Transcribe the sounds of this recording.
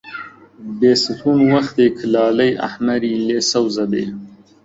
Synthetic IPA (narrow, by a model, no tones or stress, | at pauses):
besɪt̪unwaxt̪ekʰəlɑːləjʔa̰hmaɾilesawzab̪ḛ